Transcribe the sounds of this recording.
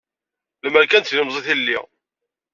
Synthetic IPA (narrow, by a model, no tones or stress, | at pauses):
ləmæɾkænt̪lɪmzˤiθilːi